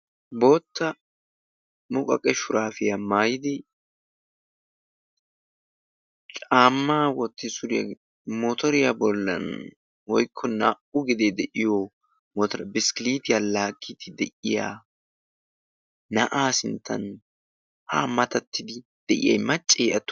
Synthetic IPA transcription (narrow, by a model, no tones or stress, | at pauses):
bo̞ːt̪ːɐ | mʊkʼɐkʼɛʃʊɾaːfɪjɐmaːjɪd̪ɪ | t͡ʃʼaːmːaːwɔt̪ːɪsʊɾɪja̰ | mot̪ɔɾɪjabɔlːɐ̰n | wɔjkʰːɔnaʔʊɡɪd̪ɛd̪ɛʔɪjo | mɔt̪ɔɾɐbɪskɪliːt̪ɪjalaːkʼːɪt̪ɪd̪ɛʔɪja̰ː | nɐʔaːsɪnt̪ʰːɐ̰n | hamɐt̪ɐt̪ʰːɪd̪ɪ | d̪̥ɛʔɪ̰jɐ̰jmɐt͡ʃʼːɪːʔɐt̪ː